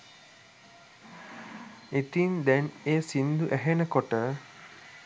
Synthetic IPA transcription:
it̪ind̪ɛneːsind̪uʔæɦenəkoʈə

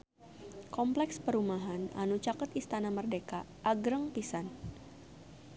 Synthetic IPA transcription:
kɔmplɛkspəɾumaɦana̰nut͡ʃakət̪ist̪anamərdeka | ʔːɡɾəŋpisan

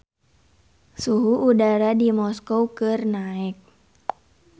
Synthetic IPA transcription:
suɦuʔːdaɾadimɔskowkɨrnaɛk̚

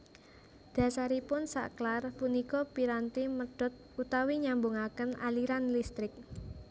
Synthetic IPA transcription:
d̪̥a̤saɾipʊnsa̰ʔklarpunikɔpiɾant̪iməɖ̥ɔ̤t̪̚ut̪awiɲambuŋakənaliɾanlist̪ɾɪk̚

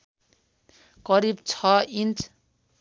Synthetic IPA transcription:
kʌɾibt͡sʰʌint͡s

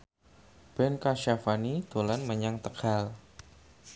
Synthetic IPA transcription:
b̥ɛnkaʃafanit̪olanməɲaŋt̪əkal

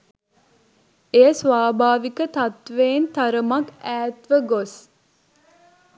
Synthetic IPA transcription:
ejəsʋaːbʱaːʋikət̪ɐt̪ʋeːnt̪ɐɾəmɐkæːt̪ʋəɡos

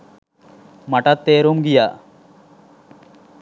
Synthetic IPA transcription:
maʈat̪ːeːɾumɡija

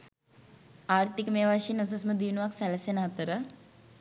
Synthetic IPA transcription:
aːɾt̪ikmeːʋaʃinɐs̬ɐsmɐd̪iʋnʋaksɐlɐsjɐnaɦt̪ɐɾə

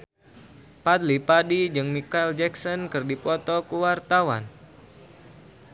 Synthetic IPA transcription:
pat̪lipadid͡ʒɨŋmikaild͡ʒɛksɔnkɨrdipɔt̪ɔkuwart̪awa̰n

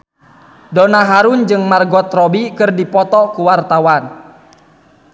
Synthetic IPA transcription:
dɔnaɦaɾund͡ʒɨŋmarɡɔt̪rɔbikɨrdipɔt̪ɔkuwart̪awan

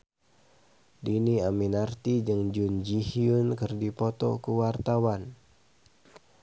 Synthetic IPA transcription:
diniaminart̪id͡ʒɨŋd͡ʒund͡ʒihiunkɨrdipɔt̪ɔ̰kuwart̪awan

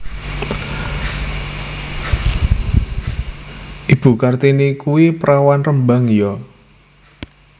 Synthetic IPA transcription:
ʔib̥ṳkart̪inikuwipəɾʔawanrəmbaŋjɔ

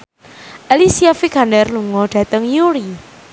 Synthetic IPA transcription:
ʔalisiafikandɛrluŋɔɖ̥ä̤t̪əŋjuɾi

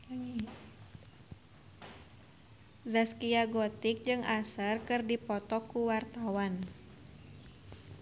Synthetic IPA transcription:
zaskiaɡɔt̪ik̚d͡ʒɨŋʔasərkɨrdipɔt̪ɔkuwart̪awan

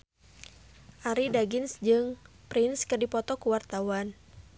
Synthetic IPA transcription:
ʔaɾidaɡɪnsd͡ʒɨŋ | pɾɪnskɨrdipɔt̪ɔkuwart̪awan

